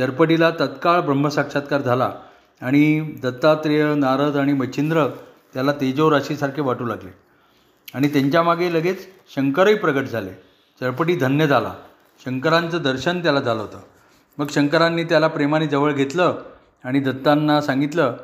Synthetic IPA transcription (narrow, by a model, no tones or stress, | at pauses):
t͡ɕəɾpəʈilat̪ət̪kaɭbɾəmb̤ʱəsakʂat̪̚kaɾd͡zʱala̰ | aɽ̃id̪ət̪ːat̪ɾijənaɾəd̪aɽ̃imət͡ɕʰind̪ɾə | t̪jalat̪ed͡ʑoɾaɕisaɾkʰeʋaʈʰuːlaɡle | aɽ̃it̪eɲt͡ɕjamaɡeləɡet͡s | ɕəŋkəɾəipɾəɡəʈd͡zʱale | t͡ɕəɾpəʈiːd̪ʱənjəd͡zʱala̰ | ɕəŋkəɾant͡səːd̪əɾɕənt̪jalad͡zʱaləɦot̪ə | məɡɕəŋkəɾanːiːt̪jalapɾemaniːd͡zəʋəɭɡʱet̪lə | aɽ̃id̪ət̪ːanːasãŋɡit̪lə